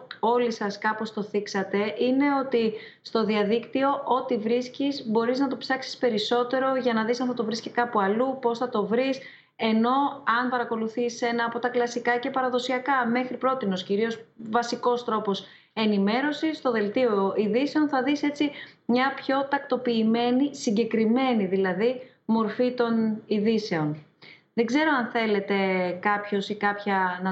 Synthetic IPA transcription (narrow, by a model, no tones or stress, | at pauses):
o̞lisɐskɐpo̞st̪o̞θiksɐt̪e̞ʔine̞o̞t̪ist̪o̞ðiɐðikt̪io̞ʔo̞t̪ivɾiscizbo̞ɾiznɐt̪o̞psɐksi̥spe̞ɾiso̞t̪e̞ɾo̞ʝɐnɐðisɐnft̪ot̪o̞vɾiscekɐpuɐlupo̞sθɐt̪o̞vɾis | e̞no̞ɐnpɐɾɐko̞luθise̞nɐːpo̞t̪ɐklɐsikɐce̞pɐɾɐðo̞siɐkɐme̞xɾipɾo̞t̪ino̞sciɾio̞svɐsiko̞st̪ɾo̞po̞s | e̞nime̞ɾo̞sist̪o̞ðe̞lt̪io̞iðise̞o̞nθɐðise̞t͡simɲɐpço̞t̪ɐk̚t̪o̞piːme̞nisiɲɟe̞kɾime̞niðilɐði | mo̞ɾfit̪o̞niðise̞o̞n | ðe̞ɡze̞ɾo̞ɐnθe̞le̞t̪e̞kɐpço̞sikɐpçɐnɐ